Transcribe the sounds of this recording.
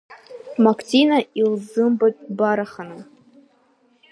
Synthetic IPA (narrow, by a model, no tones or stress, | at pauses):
maktʲinailzɨmbɨbaɾaχana